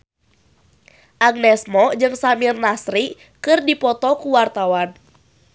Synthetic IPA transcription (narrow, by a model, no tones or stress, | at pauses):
ʔaɡ̚nɛsmɔd͡ʒɨŋsamirnasɾi | kɨrdipɔt̪ɔkuwart̪awan